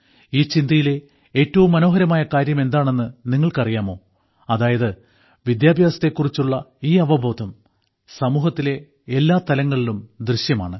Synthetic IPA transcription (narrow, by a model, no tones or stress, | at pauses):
iːt͡ɕind̪ɐjile̞ | e̞ːtːɐʋumːɐno̞ːɦɐɾɐmaːjɐkaːɾjɐme̞nd̪aːɳe̞nːɨniŋːɐɭkɐrijaːmo̞ː | ɐðaːjɐðɨ | ʋid̪jaːbʱjaːsɐ̥t̪ːekːurit͡ɕːuɭːɐiːɐʋɐbʱo̞ːd̪ʱɐm | sɐmuːɦɐt̪ːile̞ | elːaːt̪ɐlɐŋːɐɭilumd̪rɨɕjɐma̰ːɳɨ